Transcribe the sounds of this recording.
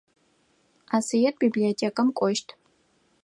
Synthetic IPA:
asijet̚ʼbibliotʰʲekʼamkʷʼɔʃtʰʼ

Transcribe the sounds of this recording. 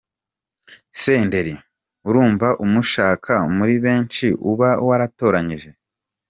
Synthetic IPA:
se̞ːnde̞ɾi | uɾuːɱvaʔumuʃaːkʰamuɾiβe̞ːnt͡ʃiʔṵβa̰waɾato̞ːɾaɲiʒe̞

